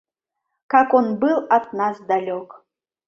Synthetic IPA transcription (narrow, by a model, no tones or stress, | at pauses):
kakonbɨlˠat̪̚nasd̪alʲok